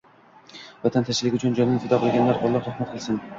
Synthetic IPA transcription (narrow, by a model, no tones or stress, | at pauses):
vat̪ʰant̪ʰaʃɪlˠɪkʲʊt͡ʃʰʊnd͡ʒɒnɪnɪfʰɪd̪ɒqʰɨlˠɡʲanlaɾʔɒlˠːɒχɾɑhmat̪̚qʰɨlˠsɪn